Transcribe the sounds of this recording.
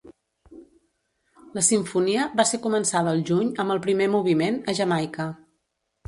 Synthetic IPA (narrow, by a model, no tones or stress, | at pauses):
ləsiɱfuniəβaseɾkumənsaðəːlˠʒuɲəmbəlˠpɾimemuβ̞imenəʒəmajkə